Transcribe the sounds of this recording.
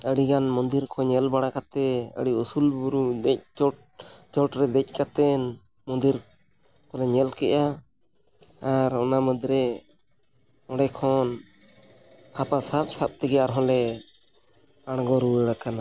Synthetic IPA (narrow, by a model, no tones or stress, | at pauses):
əɽiɡanmɔnd̪iɾkʰɔ̃ɲɛlbaɽ̃akat̪ɛə̰ɽiusulbuɾud̪ɛc̚t͡ʃɔ | t͡ʃɔʈɾɛd̪ɛc̚ˀkat̪ɛn | mɔnd̪iɾ | kʰɔlɛɲɛlkɛʔa | aɾɔnaməd̪ɾɛ | ɔɽɛkʰɔn | hapasap̚sap̚t̪ɛɡɛaɾɦɔ̃lɛ | aɽ̃ɡɔɾuwəɽakana